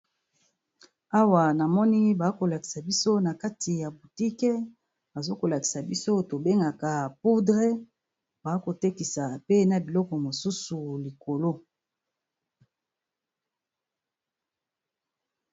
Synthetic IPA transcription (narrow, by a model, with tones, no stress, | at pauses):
a˦wa˨na˨mɔ˦ni˦ba˨˦ko˨la˨ki̥˨sa˨bi˦so˦na˨ka˦tʰi˨ja˨bu˨ti˦ke˦ | ba˨zo˦ko˨la˨ki̥˨sa˨bi˦so˦to˨be˦ŋɡa˨ka˨pu˦dʁe˦ | ba˨˦ko˨te˦ki˨sa˨pe˦na˨bi˨lɔ˦kɔ˨mo˨su˦su˨li˨ko˨lo˦